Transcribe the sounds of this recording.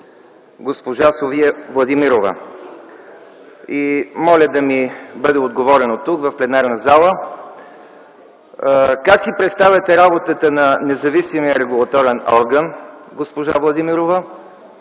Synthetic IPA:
ɡospoʒasoviɛvlˠɐd̪imiɾovə̰ | imɔlʲəd̪ɐmibɤd̪ɛod̪ɡovɔɾɛnot̪ukvɐfplɛnaɾnəzalˠə | kaksipɾɛt̪st̪avʲɐt̪ɛɾabot̪ət̪ənɐnɛzɐvisimijəɾɛɡulˠɐt̪ɔɾɛnɔɾɡənɡospoʒavlˠɐd̪imiɾovə

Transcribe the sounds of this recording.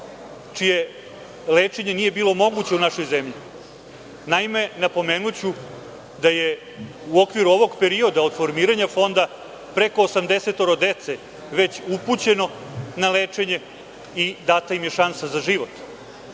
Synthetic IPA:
t͡ʂije̞ | leːt͡ʂe̞ɲe̞niːje̞biːlˠo̞mo̞ɡut͡ɕeunaʃo̞jzemʎi | naime̞napo̞meːnut͡ɕu | d̪aje̞ | uo̞kʋiɾuo̞ʋo̞ɡpe̞ɾiod̪aod̪̥fo̞ɾmiːɾaɲafo̞nd̪a | pɾe̞ko̞ːsamd̪e̞se̞t̪o̞ɾod̪et̪se | ʋe̞t͡ɕuput͡ɕe̞no̞ | naleːt͡ʂe̞ɲe̞ | id̪at̪aimjeʃansazaʒiʋo̞t̪

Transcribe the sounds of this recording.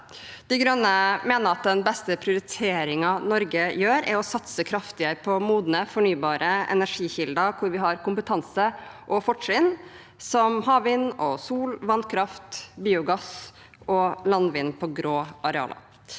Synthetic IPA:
d̪̥ɛɪɡɾœnːəmeːnəɾɑt̪̚d̪ɛnbɛst̪əpʰɾɪʊɾɪt̪ʰeːɾɪŋɑnɔɾɡəjøːɾæ̰ɾɔsɑt̪səkʰɾɑft̪ɪəpʰɔmuːd̪nəfɔɳyːbɑːɾʔəɛ̰næʂiːçɪld̪ɑkʰʊɾʋɪɦɑɾkʊmpət̪ʰɑnsəʔɔfɔʈʂɪn | sɔmhɑːʋʋɪːnɔsuːlʋɑnkʰɾɑft̪biːʊɡɑs | ʔɔlɑnʋɪːnpʰɔɡɾoːʔɑɾɛɑ̰ːlə̰

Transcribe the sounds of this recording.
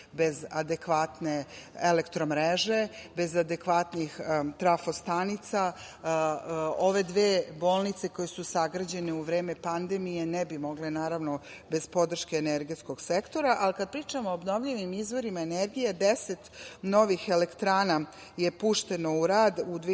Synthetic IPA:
be̞zad̪ekʋat̪ne̞elekt̪ɾomɾeʒe̞be̞zad̪e̞kʋat̪nixt̪ɾafost̪anit̪sa | o̞ʋe̞d̪ʋeːbo̞ːlˠnit̪seko̞jesusaɡɾad͡ʑe̞neuʋɾe̞ːme̞pand̪e̞mijenebimo̞ɡlenaːɾaʋno̞ | be̞zpo̞d̪r̩ʃkeːneɾɡesko̞ɡ̥sekt̪o̞ɾaʔalikad̪̚pɾiːt͡ʃamoːbno̞ʋʎiʋimizʋo̞ɾimaeneɾɡijed̪eset̪no̞ʋixelekt̪ɾaːna | jepuːʃt̪e̞no̞uɾaːd̪ud̪ʋ

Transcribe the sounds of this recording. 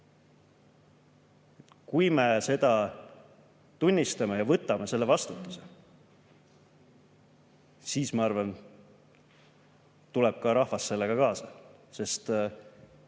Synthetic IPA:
kujme̞se̞d̪̥ɑ | t̪unʲːist̪ɑmejɑvɤt̪ːˑɑmese̞lːevɑst̪ut̪ːˑu̥se | siːsmɑɑrvɑn | t̪ule̞b̥̚kɑɾɑhvɑsːe̞lːe̞ɡ̥ɑkɑːsɑse̞st̪

